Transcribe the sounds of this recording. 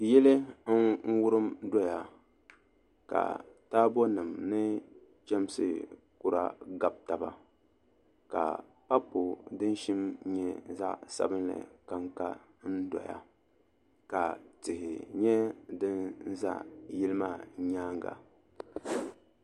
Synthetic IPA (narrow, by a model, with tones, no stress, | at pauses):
jɛ˦lɨ˦n̩˦wʊ˦ɾɨ˦mdɔ˦ja˨ | ka̰˨taː˦bɔ˦nɨ˨mnɨ˦ | t͡ʃɛ˦m˦sɨ̰˦ | kʊ˦ɾa̰˦ɡa˨b̚ta˨ba˦ | ka̰˨ | pa˦po˨dɨ˦n˦ʃi˦mɲɛ˦za̰˦ʔsa̰˦bɨ˦nlɨ̰˨ka˦ŋka˦ | n̩˦dɔ̰˨ja̰˦ | ka˨tɪ˨hɪ˨ɲɛ˦dɨ˦n˦za̰˦ʔjɪ˦lɨ˦maː˦˨ɲaː˦ŋ˦ɡa̰˨